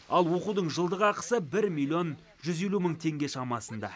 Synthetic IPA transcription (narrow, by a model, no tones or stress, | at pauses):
ɑlˠwo̞qud̪əɴʒəlˠd̪əʁɑqə̥səbɪɾmilʲio̞n | ʒʏze̞luməɴt̪ʰe̞ŋɡʲe̞ʃɑmɑsənd̪ɑ̰